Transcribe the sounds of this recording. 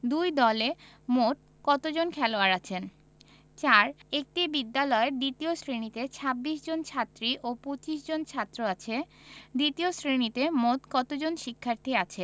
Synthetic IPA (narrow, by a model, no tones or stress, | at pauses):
d̪ujd̪ɔle | mot̪̚ | kɔt̪od͡ʑonkʰɛloaɾat͡ɕʰen | t͡ɕaɾek̚ʈibid̪ːalɔeɖ̪it̪iosɾenit̪et͡ɕʰabːiʃ̬d͡ʑont͡ɕʰat̪ːɾiʔopot͡ɕiʃd͡ʑont͡ɕʰat̪ːɾoat͡ɕʰeɖ̪it̪iosɾenit̪emot̪kɔt̪od͡ʑonʃikʰːaɾt̪ʰiat͡ɕʰe